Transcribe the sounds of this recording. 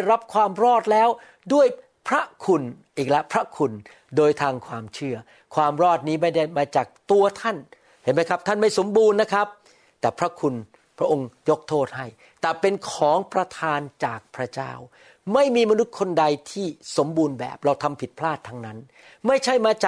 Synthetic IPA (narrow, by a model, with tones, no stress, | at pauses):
a˥˩jɾa˦˥p̚kʰwaː˧mɾɔː˥˩t̪̚lɛː˦˥w | du˥˩əj | pʰɾa˦˥kʰu˧nʔiː˨˩k̚lɛ˦˥pʰɾa˦˥kʰu˧n | doː˧jt̪ʰaː˧ŋkʰwaː˧mt͡ɕʰɯ˥˩ɐ | kʰwaː˧mɾɔː˥˩t̪̚niː˦˥ma˥˩jda˥˩jmaː˧t͡ɕaː˨˩k̚t̪u˧ɐt̪ʰa˥˩n | he˨˩˦nma˦˥jkʰa˦˥t̪ʰa˥˩nma˥˩jso˩˦mbuː˧nːa˦˥kʰɾa˦˥p̚ | t̪ɛː˨˩pʰɾa˦˥kʰu˧n | pʰɾa˦˥ʔo˧ŋjo˦˥k̚t̪ʰoː˥˩t̪̚ha˥˩j | t̪ɛː˨˩pe˧nkʰɔː˩˦ŋpɾa˧t̪ʰaː˧nt͡ɕaː˨˩k̚pʰɾa˦˥t͡ɕa̰ː˥˩w | ma˥˩jmiː˧ma˧nu˦˥t̪̚kʰo˧nda˧jt̪ʰiː˥˩so˩˦mbuː˧nbɛ̰ː˨˩p̚ɾa˧wt̪ʰa˧mpʰi˨˩t̪̚pʰlaː˥˩t̪ʰːaː˧ŋna˦˥n | ma˥˩jt͡ɕʰa˥˩jmaː˧t͡ɕaː˨˩